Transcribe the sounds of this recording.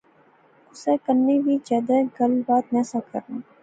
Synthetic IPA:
ʊseːkəɾnebʱiːd͡ʒɛːd̪ɛːɡəlbaːt̪̚nɛːsakə̰ɾnũː

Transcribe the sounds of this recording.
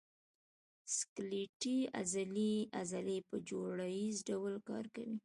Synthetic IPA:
skliʈia̰zaliazalepəd͡ʒoɽajizɖawlkɑ̰ɾka̰wi

